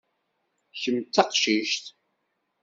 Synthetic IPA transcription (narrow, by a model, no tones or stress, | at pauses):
çəmt͡sːɑqʃiʃt̪